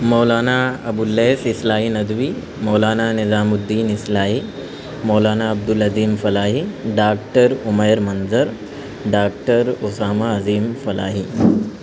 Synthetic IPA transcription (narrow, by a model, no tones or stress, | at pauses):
mɔːlaːnaɐbulːeːsɪslaːɦinɐd̪ʋi | mɔːlaːnaːnɪzaːmʊd̪ːiːnislaːɦi | moːlaːnaɐb̚d̪ʊlɐziːmfɐlaːɦiɖaːk̚ʈəɾʊmɐjɾmɐnzɐɾ | ɖaːkʈəɾosaːmaɐziːmfɐla̰ːɦi